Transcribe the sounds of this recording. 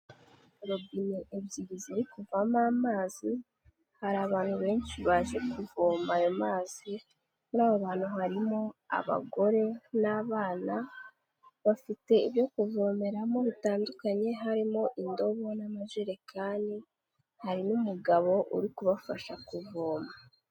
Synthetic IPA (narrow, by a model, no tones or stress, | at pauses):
ɾobineʔebjiɡiziɾikuvamaːmaːzi | haɾaːβaːn̥huβe̞ːnʃiβaːʒe̞kuvoːmajomaːz̥i | muɾaːβoβaːn̥huɦaɾimo̞a̰βa̰ɡo̞ɾe̞naβaːna | βafite̞iβjo̞kuvo̞ːme̞ɾamo̞βitaːndukaɲe̞ɦaɾimo̞ʔindo̞βo̞namaʒeɾekʰaːndi | haɾinumuɡaβo̞ʔuɾikuβafaʃakuvoːma